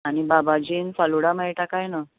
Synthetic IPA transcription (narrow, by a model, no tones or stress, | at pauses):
aɽ̃ibabad͡ʑiːnfaluɽamaɭiʈakajna